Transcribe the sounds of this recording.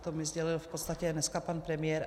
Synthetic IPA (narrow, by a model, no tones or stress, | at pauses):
t̪omɪzɟɛlɪlfpot̪st̪acɛnɛskapanpɾɛmɪjɛɾ